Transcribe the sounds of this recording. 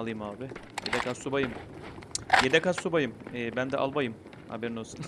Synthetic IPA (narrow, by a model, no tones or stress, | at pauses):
lˠɯjɯmaːbɪjed̪ɛkʰassubajɯm | jed̪ɛkassubajɯmɛːbænd̪ɛʔa̰lˠbajɯm | ha̰bɛɾnosu